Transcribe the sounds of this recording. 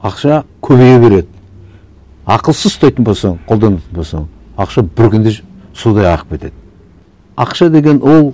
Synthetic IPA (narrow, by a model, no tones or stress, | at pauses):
ɑqʃɑkʲʰɵβejebe̞ɾe̞d̪ɪ | ɑqəlˠsəzst̪ɑjt̪ənbolˠsɑɴqʰo̞lˠd̪ɑnɑt̪ənbolˠsɑ̰ɴ | ɑqʃɑbɪɾkʲʰʏnd̪e | sud̪ɑjɑqə̥p̚kʲe̞t̪e̞d̪ɪ | ɑqʃɑd̪e̞ɡʲe̞nwo̞lˠ